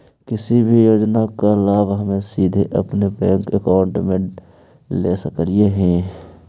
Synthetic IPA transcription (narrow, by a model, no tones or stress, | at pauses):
kɪsibʱijoːd͡ʒnakalaːbɦɐmẽsiːd̪ʱeʔə̰pnebɛ̃ːŋkəkaːʊɳʈmẽ | leːsəkəlieɦɛ̃ː